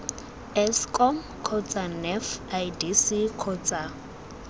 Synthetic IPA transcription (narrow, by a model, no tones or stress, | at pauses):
ɛskʼɔm | kʰɔt͡sʼanɛfajdisikʰɔt͡sʼa